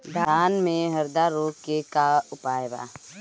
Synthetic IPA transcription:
d̪ʱaːnmẽɦəɾd̪aɾoːkekaʊpaːjba̰ː

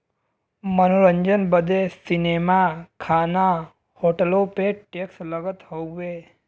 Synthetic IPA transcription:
mənoɾəɲd͡ʒənbəd̪ʱesinemakʰana | hoʈəlopeʈeksləɡət̪ɦouʋe

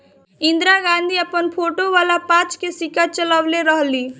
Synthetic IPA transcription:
ĩnd̪ɾaɡãnd̪ʱiəpənpʰoʈoʋaːlapãt͡ʃkesikat͡ʃələʋleɾəɦli

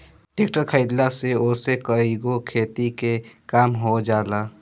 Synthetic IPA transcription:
ʈekʈəɾkʰəɪd̪laseosekəiɡokʰet̪ikekaːmɦod͡ʒaːla

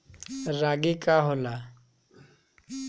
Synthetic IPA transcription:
ɾaɡikaɦola

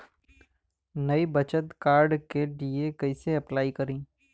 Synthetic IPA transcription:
nɐibɐt͡ʃət̪kaːɾɖkeɖiekɐiseɐplaːikɐɾĩː

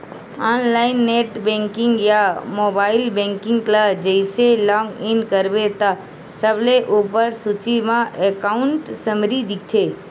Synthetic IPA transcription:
ɔnlaɪnːeʈbẽŋkɪŋɡjamobaːɪlbẽŋkɪ̃ŋɡklad͡ʒəɪselɔ̃ŋɡɪnkəɾʋet̪a | səbleʔupəɾsut͡ʃimãʔekaʊɳʈsəmɾid̪ʱik̚t̪ʰe

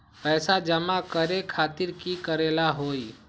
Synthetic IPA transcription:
pɛːsad͡ʒəmakəɾekʰaːt̪ɪɾkikəɾeːlaɦoːi

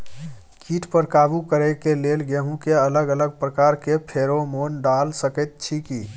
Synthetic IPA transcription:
kʰiːʈpəɾkaːbukəɾekeleːlɡeɦũkeələɡələɡ̚pɾəkaːɾkepʰeːɾomoːnɖaːlsəkət̪̚t͡ʃʰikiː

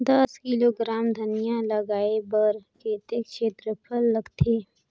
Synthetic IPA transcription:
d̪ɐskiloːɡɾaːmd̪ʱɐnijalɐɡaːebəɾkeːt̪ekʃeːt̪ɾəpʰəlːɐɡt̪ʰeː

